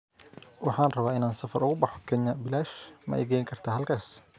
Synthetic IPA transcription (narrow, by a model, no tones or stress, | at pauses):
wɑħɑːnrɐβaːɪnaːnsɐfɐrʊɣʊbɑħɔkʰɛɲɐbɪlaːʃmɐ̰ʔɛ̰jɡɛjŋkʰɐrt̪ʰaːɦɐlkʰaːs